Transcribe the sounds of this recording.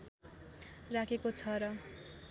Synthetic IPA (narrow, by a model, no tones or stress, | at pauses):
rakʰekot͡sʰʌɾʌ